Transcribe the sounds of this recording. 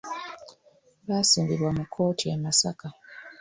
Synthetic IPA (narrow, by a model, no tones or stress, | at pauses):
βaːsiːmbiβwamukʰːo̞ːtʰiemasaka